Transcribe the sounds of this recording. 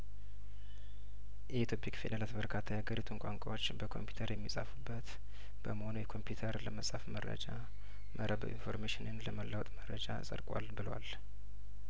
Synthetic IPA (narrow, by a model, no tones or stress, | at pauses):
jɛit̪ʰjopʰikfed̪elat̪bəɾkʰat̪ʰːajaɡəɾit̪ʰunkʷʼaŋkʼa̰wot͡ʃːbəkʰo̞mpjut̪ʰəɾjɛmːisʼafubːət̪ | b̥əməho̞nujɛkʰo̞mpʰjut̪ʰəɾləməsʼafmərːə̰d͡ʒa | mʔəɾəb̰ʔḭnfo̞ɾmeʃɪnɨnləməlːəwɔt̪ʼmərəd͡ʒa̰sʼə̰ɾkʼwa̰lbɨləwa̰l